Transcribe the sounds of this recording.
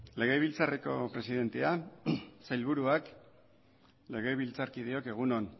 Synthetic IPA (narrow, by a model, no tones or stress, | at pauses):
le̞ɣ̞e̞β̞ilt͡sareko̞pɾe̞siðe̞nt̪ea | sajlβuɾuak | le̞ɣ̞e̞βilt͡saɾkið̞eo̞ke̞ɣ̞uno̞n